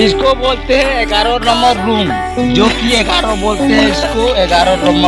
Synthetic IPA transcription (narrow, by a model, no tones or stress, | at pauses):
ɪskoboːlt̪eɦɛ̃eɡaːɾonɐmbəɾːuːm | d͡ʒoːkieɡaːɾoboːlt̪eɦɛ̃ɪskoeɡaːɾonɐ̃mbə